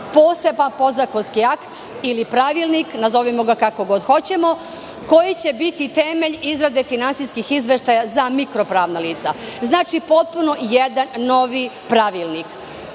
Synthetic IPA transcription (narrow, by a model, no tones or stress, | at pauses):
po̞ːse̞banpo̞zakonskiakt̪ | ilipɾaʋilˠniknazo̞ʋimo̞ɡakako̞ɡo̞d̪xo̞t͡ɕe̞mo̞ | ko̞jit͡ɕe̞bit̪it̪e̞me̞ʎizɾad̪e̞finantsiskixizʋe̞ʃt̪ajazamikɾo̞pɾaːʋnaliːt̪sa̰znaːt͡ʃipo̞t̪̚puno̞jed̪anːo̞ʋipɾaʋilˠnik